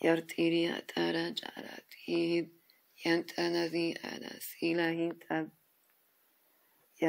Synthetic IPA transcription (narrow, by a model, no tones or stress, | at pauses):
jaɾt̪ʰʼiɾia̰t̪ʰʼaɾad͡ʒʼa̰ɾa̰t̪ʰʼihi | jant̪ʰʼanazĩʔa̰d̪a̰silahint̪ʼʰa | ja